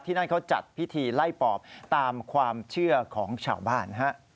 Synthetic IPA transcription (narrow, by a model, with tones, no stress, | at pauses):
t̪ʰiː˥˩na˥˩nkʰa˦˥wt͡ɕa̰˨˩t̪̚pʰi˦˥t̪ʰiː˧la˥˩jpɔː˨˩p̚t̪aː˧mkʰwaː˧mt͡ɕʰɯ˥˩ɐkʰɔː˩˦ŋt͡ɕʰa̰ː˨˩wbaː˥˩nɦa˦˥ʔ